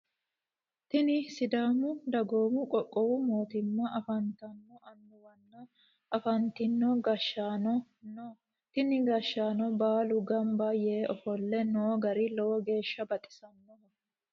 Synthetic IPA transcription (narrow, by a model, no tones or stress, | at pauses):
t̪ɪnɪsɪd̪aːmʊd̪ɐɡoːmʊkʼɔkʼːɔwʊmo̞ːt̪ɪmːɐʔɐfɐnt̪ɐnːɔʔɐnːʊwɐnːɐ | ɐfɐnt̪ɪnːɔɡɐʃːaːnɔ | n | t̪ɪnɪɡɐʃːaːnɔbaːlʊɡɐmbɐjeːʔɔfɔlːɛnoːɡɐɾɪlowɔɡe̞ːʃːɐbɐt̪ʼɪ̥sɐmːɔhɔ